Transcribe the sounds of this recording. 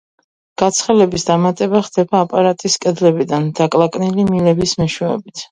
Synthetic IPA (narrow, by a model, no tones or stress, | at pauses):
ɡ̥at̪sʰχɛlɛbisd̪amat̪ʼɛbaχd̪ɛbaːpʼaɾat̪ʼiskʼɛd̪lɛbid̪and̪akʼlˠakʼnilimilɛbismɛʃwɛɔ̰bit̪ʰ